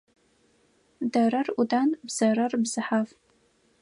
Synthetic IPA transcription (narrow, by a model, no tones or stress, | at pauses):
dɐɾɐrudaːnbz̥ɐɾɐrbz̥ɨħaf